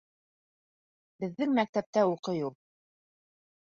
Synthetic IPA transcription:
bɘ̆ðːɘŋmæk̚t̪æp̚t̪æuqɤjul

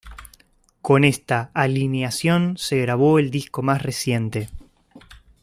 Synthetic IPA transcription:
ko̞ne̞st̪aːlinjasjo̞nse̞ɣɾaβ̞o̞eld̪isko̞masresje̞nt̪e̞

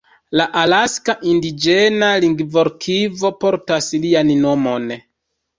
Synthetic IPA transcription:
laʔalaskaʔindid͡ʒe̞naliŋɡvo̞ɾkʰivo̞po̞ɾtaslianno̞mo̞n

